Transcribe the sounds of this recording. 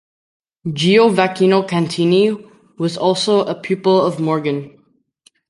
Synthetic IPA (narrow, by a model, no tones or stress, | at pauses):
d͡ʒiovakʰinokʰæ̃ntʰĩni | wʌzɔlˠsoʊʔəpʰj̥ʉpəlˠʌvmɔɹɡə̃n